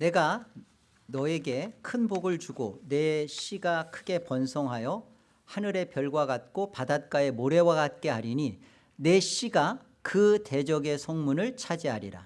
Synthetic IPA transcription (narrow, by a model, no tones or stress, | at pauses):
ne̞ɡa | nʌe̞ɡe̞kʰɯnboɡɯɭt͡ɕuɡone̞ɕ͈iɡakʰɯɡe̞pʌnsʰʌŋɦajʌ | hanɯɾe̞pjʌɭɡwaɡat̚k͈opadat̚k͈ae̞moɾe̞waɡat̚k͈e̞ɦaɾiɲi | ne̞ɕ͈iɡa | kɯte̞d͡ʑʌɡe̞sʰʌŋmunɯɭt͡ɕʰad͡ʑiɦaɾḭɾa̰